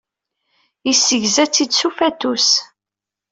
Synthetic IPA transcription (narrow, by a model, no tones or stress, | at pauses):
isːəʝzæt͡sːid̪sufæt̪us